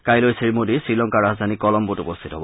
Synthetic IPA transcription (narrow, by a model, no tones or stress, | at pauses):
kajlojsɹiɹmodisɹilɔŋkaɹazd̪ʱanikɔlɔmbutupost̪ʰitɔɦɔbɔ